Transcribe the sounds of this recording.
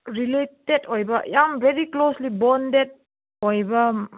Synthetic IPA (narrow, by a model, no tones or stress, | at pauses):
ɾiletedojbɐjambʱeɾikloslibɔnded̚ | hojbɐ